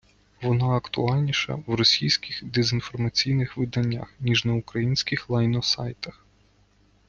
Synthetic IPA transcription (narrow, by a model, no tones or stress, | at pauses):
ʋɔnɑɐkt̪ʊ̰ɑlʲnʲiʃɐ̰ʋrɔsʲijsʲkʲɪxd̪ezʲinfɔrmɐt͡sʲijnɪxʋɪd̪ɐnʲːa̰xnʲiʒnɐukɾɐjinʲsʲkʲɪxlˠɐjnɔsɑ̰jt̪ɐx